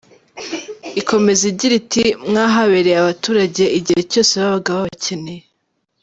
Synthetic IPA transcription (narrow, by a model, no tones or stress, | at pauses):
iko̞me̞ziɾɟiɾitimŋaːɦaβeɾeaβatuːɾaɟe̞iɟiheco̞ːse̞βaβaɡaβaβacene